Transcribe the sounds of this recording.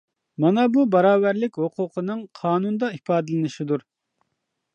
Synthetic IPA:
mɑnɑbubɑɾɑːvæɾlɪkʲhoqʰʊqʰənɨŋqʰɑːnund̪ɑipɑːd̪ɨlɪnɨʃid̪uɾ

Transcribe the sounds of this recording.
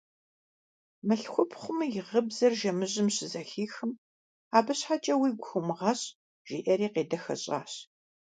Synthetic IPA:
mɨɬxʷʊpʰχʷʊmjɪʁəbzɐrʒɐmɨʑɪmɕɪzɐxiːxɨm | aːbɨɕħat͡ʃʼɐwiːɡʷxʷʊmɨʁɐɕ | ʒ̥ḭːʔɐɾiːqeːdɐxɐ̰ɕʼa̰ːɕ

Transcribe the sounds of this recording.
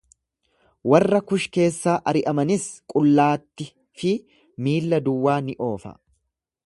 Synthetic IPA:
wɐrːɐkʊʃke̞ːsːaːʔɐɾɪʔɐmɐnɪskʼʊlːaːt̪ːɪ | fɪ | miːlːɐd̪ʊwːaːnɪʔo̞ːfɐ̰

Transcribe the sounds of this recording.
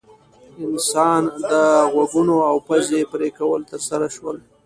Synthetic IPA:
ɪnsɑnd̪əɣwaɡunoawpazepɾekawəlt̪əɾsaɾaʃwəl

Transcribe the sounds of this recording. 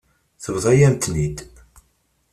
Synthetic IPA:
θəvðˤæjæmt̪nid̪

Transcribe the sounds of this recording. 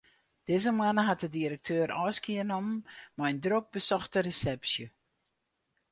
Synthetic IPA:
d̥ɪːzəmwanəɦat̚dədiɾək̚tʰøːɾʔɔːskiənɔmmɛjndrok̚bəsɔxtəresɛpsjə

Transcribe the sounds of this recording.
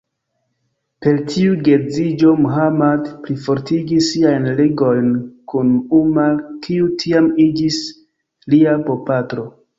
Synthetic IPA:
pe̞ltʰiuɡe̞d͡zid͡ʒo̞muɦamadplifo̞ɾtʰiɡisːiajnleɡo̞jnkunumakʰiutʰiamid͡ʒis | liapo̞patɾo̞

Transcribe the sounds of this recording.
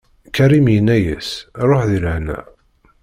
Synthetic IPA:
kæɾimijənːæjæ̰sɾˤoħðiləʕnæ̰

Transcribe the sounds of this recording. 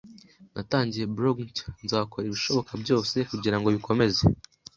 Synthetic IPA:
nʔataːɲɟije̞bɾoɡntnzaːko̞ɾeβiʃo̞βo̞kʰabɟo̞ːse̞kuɟiɾaŋɡoβiko̞me̞ze

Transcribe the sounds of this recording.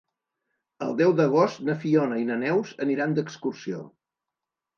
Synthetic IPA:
əlˠd̪ɛwd̪əɣ̞ost̪nəfiɔnəinənɛwzəniɾand̪əkskursio̰

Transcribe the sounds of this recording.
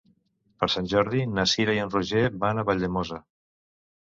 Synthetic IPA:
pəɾsanʲʒɔɾðinasiɾajənruʒebanaβaʎd̪emoza

